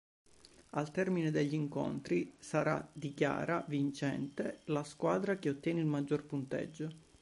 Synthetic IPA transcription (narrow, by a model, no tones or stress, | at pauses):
alt̪ɛrmined̪eʎːiiŋko̰nt̪ɾisaɾa̰d̪ikja̰ːɾavint͡ʃɛ̰nt̪elaskwaːd̪ɾakeot̪ːjɛːneilmad͡ʒːorpunt̪ɛ̰d͡ʒːo